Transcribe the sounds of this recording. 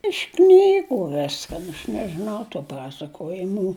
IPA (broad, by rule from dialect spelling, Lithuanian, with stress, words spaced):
ɪʃ ˈknʲiːɡʊ ˈʋʲɪskɐn ɐʃ nʲɛʒʲɪˈnɐʊ tuː ˈpɑːsɐkoːjɪmuː